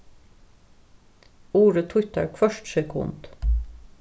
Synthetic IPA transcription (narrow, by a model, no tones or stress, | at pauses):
uːɹət̪ʰwʏt̪ə̰ɹkʰʋœʃʈsɛkʰʊ̰nd̪̥